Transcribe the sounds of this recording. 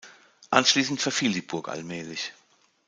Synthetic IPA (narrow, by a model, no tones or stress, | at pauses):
ʔanʃliːsn̩tfɛɐfiːldiːbʊɐkʔa̰lmɛːlɪç